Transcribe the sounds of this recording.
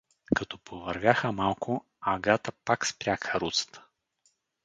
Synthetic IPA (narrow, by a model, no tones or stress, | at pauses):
kɐt̪ɔpovɐɾvʲjaxəmalˠkʰʊ | aɡat̪əpakspɾʲjakəɾut̪sə̥t̪ʰə̥